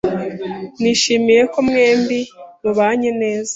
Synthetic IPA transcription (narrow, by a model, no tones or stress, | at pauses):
niʃimije̞komŋe̞ːmbimuβaːɲene̞ːzḁ